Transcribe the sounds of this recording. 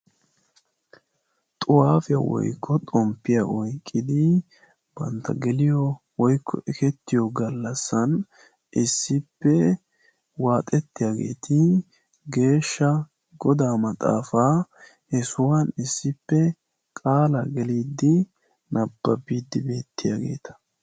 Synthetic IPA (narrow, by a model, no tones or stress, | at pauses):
t̪ʼʊwaːfɛɐ̰wɔ̰jkʰːɔt̪ʼɔmpːɪjaʔɔjkʼːɪd̪ɪ | b̥ɐ̰nt̪ːɐɡɛlɪjɔ | wɔjkʰːɔ̰ʔɛkɛt̪ːɪjɔɡɐlːɐsːɐn | ʔɪsːɪpːɛ | waːt̪ʼɛt̪ːɪjaːɡe̞̰ːt̪ʰɪ | ɡe̞ːʃːɐ | ɡɔd̪aːmɐt̪ʼa̰ːfa | ɛsʊwɐnɪsːɪpːɛ | kʼaːlɐɡɛliːd̪ːɪ | nʔɐbːɐbiːd̪ːɪbe̞ːt̪ːɪjaɡe̞̰ːt̪ʰɐ̥